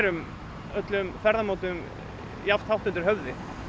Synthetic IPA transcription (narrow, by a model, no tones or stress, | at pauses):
ɾʏm | œt̪lʏmfɛɾðamoːwt̪ʏm | jaft̪hawht̪ʏnt̪ɪɾ̥ɦœvðɪ